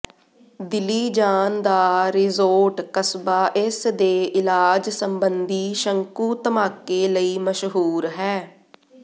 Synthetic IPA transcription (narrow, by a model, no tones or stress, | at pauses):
d̪ɪliːd͡ʒaːnd̪aːɾɪzoːɾʈkəsbaːʔɪsd̪eːʔɪlaːd͡ʒsəmbənd̪iːʃəŋkuːt̪əmaːkeːləiːməʃɦuːɾɦɛː